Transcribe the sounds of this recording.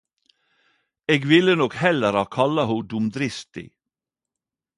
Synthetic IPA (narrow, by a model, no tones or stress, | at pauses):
eːɡʋɪlənɔkhɛləɾɑːkʰɑlɑhud̪ʊmd̪ɾɪst̪ɪ̰